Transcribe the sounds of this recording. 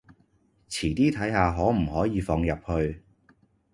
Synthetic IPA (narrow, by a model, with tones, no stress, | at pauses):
t͡sʰiː˨˩t̪iː˥t̪ʰɐ˨˥jhaː˨˧ɦɔː˨˥m̩˨˩ɦɔː˨˥jiː˨˧fɔː˧ŋjɐ˨p̚hɵ˧ɥ